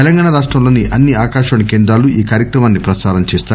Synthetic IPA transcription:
elɐŋɡaːɳɐɾaːʂʈɾɐmlo̞ːniʔʔɐnːiaːkaːʂaːɳɐkeːnd̪ɾaːluʔiːkaːɾjɐkɾɐmaːnːipɾɐsaːɾɐmt͡ʃeːst̪aː

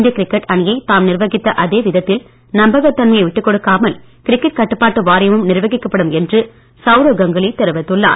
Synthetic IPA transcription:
nd̪ijɐkɪɾɪkːɐʈɐnɪjɐɪt̪aːmnɪrʋɐɣɪt̪ːɐʔɐðeːʋɪðɐt̪ːɪl | nɐmbɐɣɐt̪ːɐnmɐjɐɪʋɪʈːɯkːɔɽɯkːaːmɐl | kɪɾɪkːɐʈ̚kɐʈːɯpːaːʈːɯʋaːɾɐjɐmɯmnɪrʋɐɣɪkːɐpːɐɽɯmɛndrɯ | sɐʊɾoːɡɐŋɡɐɭɪt̪ɛɾɯʋɐt̪ːɯɭːa̰ːɾ

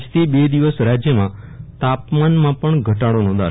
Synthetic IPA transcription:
d͡ʒt̪ʰibed̪iʋəsɾad͡ʒjəmãt̪apmanmãpəɳɡʱəʈaɽonõd̪a̰

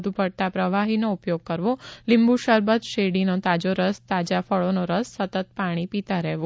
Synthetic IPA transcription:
d̪ʱupəɽt̪apɾəʋaɦinoupjoɡ̚kəɾʋolɪ̃mbuʃəɾbət̪ʃeɽinot̪ad͡ʒoɾəst̪ad͡ʒafəɭonoɾəsːət̪ət̪̚paɽ̃ipit̪aɾɛʋo

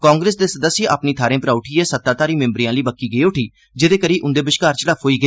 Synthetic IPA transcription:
kãːŋɡɾeːsd̪eːsəd̪əsːʔa̰ːpniːt̪ʰaːɾẽːpɾaːʊʈʰiːeːsət̪ːaːt̪aːɾiːmɪ̃mbɾijãːliːbəkːiːɡəeːʊʈʰiː | d͡ʒɪd̪eːkəɾiːʔʊnd̪eːbɪʃkaːɾt͡ʃəɽaːoːiːɡəeː

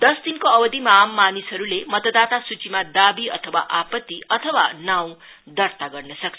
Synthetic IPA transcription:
d̪ʌsd̪inkoʌbʌd̪imaːmːanisɦʌɾulemʌt̪ʌd̪at̪asut͡simad̪abiʌt̪ʰʌwaʔapʌt̪ːiʌt̪ʰʌwanaw̃ | d̪ʌrt̪aɡʌrnʌsʌk̚t͡sʰ

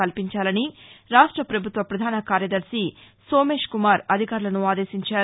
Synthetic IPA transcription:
ɐlpiɲt͡ʃaːlɐniɾaːʂʈɾɐpɾɐbʱut̪ʋɐpɾɐd̪ʱaːnɐkaːɾjɐd̪ɐɾsi | soːme̞ːʂkumaːɾɐd̪ʱikaːɾulɐnuaːd̪e̞ːʃiɲt͡ʃaː

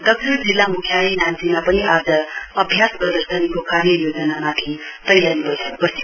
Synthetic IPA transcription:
d̪ʌk̚sʰʌrd͡zilːamukʰjainansimapʌniʔad͡zʌʌbʱjasprʌd̪əɾsʌnikokaɾjʌjod͡zʌnamat̪ʰit̪ʌjjanibʌjsʌk̚bʌsti

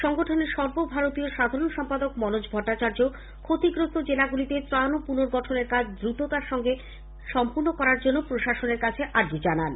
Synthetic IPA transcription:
ʃɔŋɡoʈʰoneɾʃɔɾbobʱaɾot̪ioʃad̪ʱaɾonʃɔmpad̪okmɔnod͡ʑbʱɔʈːat͡ɕaɾd͡ʑo | kʰot̪iɡɾost̪od͡ʑelaɡulit̪et̪ɾanopunoɾɡɔʈʰoneɾkad͡ʑʰd̪ɾut̪ot̪aɾʃɔŋɡe | ʃɔmpuɾnokɔɾaɾd͡ʑonːopɾoʃaʃoneɾkat͡ɕʰeʔaɖd͡ʑid͡ʑanan

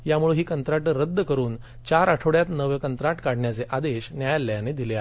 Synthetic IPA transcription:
jamuɭeɦiːkənt̪ɾaʈɾəd̪ːəkəɾuːn | t͡ɕaɾaʈʰoɽjat̪nəʋjəkənt̪ɾaʈkaɽ̤ɳjat͡seʔad̪eɕnjajalːjaned̪ilea

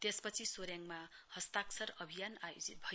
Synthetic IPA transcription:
t̪espʌt͡sʰisoɾjaŋmahʌst̪aksʰʌɾʌbʱijanajo̰d͡zit̪̚bʱʌj

